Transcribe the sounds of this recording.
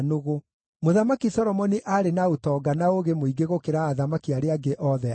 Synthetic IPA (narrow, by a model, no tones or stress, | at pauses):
noɣo | moðamakisɔɾɔmɔniʔaɾenaotɔɡanaoɣemoiɡeɣokeɾaːðamakiaɾeaɡeʔɔðɛ